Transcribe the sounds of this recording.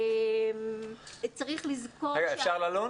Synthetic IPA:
m | t͡saʁiχlizkoeɡaefʃaʁlalo

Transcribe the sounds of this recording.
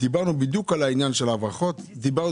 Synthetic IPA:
dibaʁnubid̪jukalainjanʃelavʁaχo̞t̪d̪ibaʁ

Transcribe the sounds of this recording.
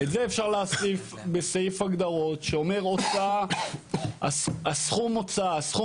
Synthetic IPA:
etzeefʃaʁlaasif | besajifaɡd̪aʁo̞tʃeo̞me̞ʁot͡sa | a̰sasχumot͡saːsχu

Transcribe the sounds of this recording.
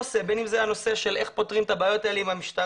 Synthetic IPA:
ose̞be̞nimzeano̞se̞ʃe̞lʔe̞χpot̪ʁimt̪abaːjo̞t̪aeleimhamiʃt̪a

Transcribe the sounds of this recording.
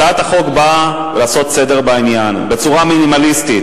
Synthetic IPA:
at̪aχo̞kba | velaːso̞t̪se̞de̞ʁbainjanbe̞t͡suʁaminimalistit

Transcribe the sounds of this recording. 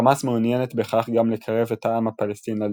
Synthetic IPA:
masmeunjenet̪be̞χaχɡamlekʰaʁe̞vetʰaamhapalest̪inal

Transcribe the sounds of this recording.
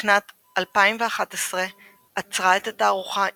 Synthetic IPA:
nat | alpaimveaχatesʁe | at͡sʁaetataːʁuχa

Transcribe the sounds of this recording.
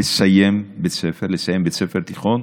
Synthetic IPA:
esajembet͡sefeʁlesajembet͡sefeʁt̪iχon

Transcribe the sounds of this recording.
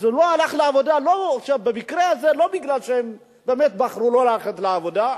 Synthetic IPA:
zeloalaχleavo̞d̪alo̞aχʃavbemikɾeazelo̞biɡlalʃeem | bemet̪̚baχɾulo̞laleχat̪leavo̞d̪a

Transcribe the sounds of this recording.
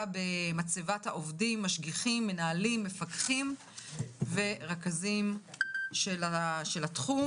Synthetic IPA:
bemat͡sevathaʔovdimːaʃɡiχimːe̞naalimːe̞fakχim | ve̞ʁakazim | ʃelaʃelatχu

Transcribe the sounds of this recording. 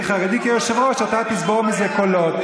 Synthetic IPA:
χaʁed̪ikejoʃevʁoʃat̪at̪isboʁmizekolot̪

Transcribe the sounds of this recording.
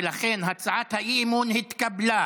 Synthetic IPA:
laχenɦat͡sʕat̪haʔimunhit̪kabla

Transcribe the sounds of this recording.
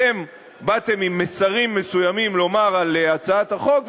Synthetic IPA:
em | bat̪e̞mimːesaʁimːe̞sujamimlo̞maʁaleat͡saat̪haχo̞k

